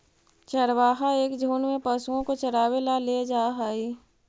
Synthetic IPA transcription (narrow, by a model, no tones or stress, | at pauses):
t͡ʃəɾwaːɦaeːkd͡ʒʱuːnmẽpəsuõkot͡ʃəɾaːwelaled͡ʒaːɦaːiː